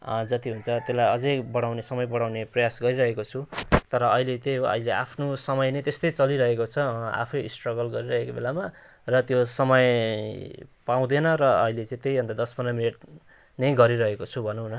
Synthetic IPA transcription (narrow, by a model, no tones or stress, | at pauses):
ʌ̰d͡zʌt̪iɦunt͡sʰʌt̪elajʌd͡zʌjbʌɽ̃awnesʌmʌjbʌɽawneprʌjasɡʌɾiɾʌɦekot͡sʰut̪ʌɾʌʌɦilet̪ejʌ̰ɦileapʰnosʌmʌjnʌt̪est̪ʌjt͡sʌliɾʌɦekot͡sʰʌa̰pʰʌjisʈrʌɡʌlɡʌɾiɾʌɦekobelama | rʌt̪josʌmʌj | paw̃d̪enʌɾʌ̰ːɦilet͡sãĩt̪ejbʌ̃nd̪ad̪ʌsmʌnamineʈ̚ | nʌjɡʌɾiɾʌɦekot͡sʰubʱʌnũɦnʌ